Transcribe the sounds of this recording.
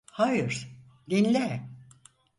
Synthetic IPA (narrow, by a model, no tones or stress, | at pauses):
hajɯɾ̥ | d̪inlʲɛ